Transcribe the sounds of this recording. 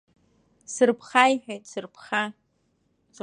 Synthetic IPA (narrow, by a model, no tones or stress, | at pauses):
sɨrpʰχajħᶣejtʼsɨrpʰχa